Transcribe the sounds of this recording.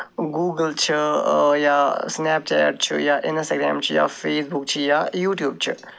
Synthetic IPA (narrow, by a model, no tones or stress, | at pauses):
ɡuːɡəlt͡ʃʰijasnɛːpt͡ʃɛ̰ːʈ̚t͡ʃʰḭjaʔɪnsəɡɾɛ̰ːmt͡ʃʰija̰feːsbuk̚t͡ʃʰijajuːʈjuːb̚t͡ʃʰi